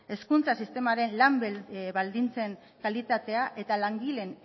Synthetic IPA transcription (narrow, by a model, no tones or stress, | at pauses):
e̞skunt͡sasist̪e̞maɾe̞nlambβald̪int͡se̞ŋ | kalit̪at̪e̞aʔe̞t̪alaŋɡile̞n